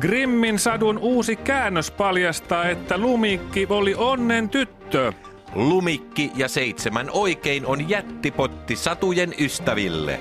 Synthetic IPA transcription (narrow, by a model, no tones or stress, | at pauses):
ɡ̥rimːinsɑdunʔuːsikæːnːøspɑljɑst̪ɑːe̞t̪ːælumikːiolionːent̪yt̪ːø | lumikːijɑseit̪semænoikeinonjæt̪ːipot̪ːisɑt̪ujenyst̪æʋḭlːḛ